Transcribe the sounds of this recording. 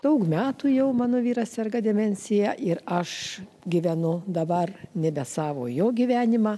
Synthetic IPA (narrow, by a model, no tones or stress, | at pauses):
d̪̥ɐʊkmʲæːt̪uːjɛʊmɑːnoːʋʲiːɾɐsʲsʲɛrɡɐd̪ʲɛmʲɛnʲsʲɪjæʔɪɾɐʃ | ɡʲɪʋʲɛnʊd̪ɐbɐrnʲɛbʲɛsɑːʋo̰ːjoːɡʲiʋʲæːnʲɪmɑː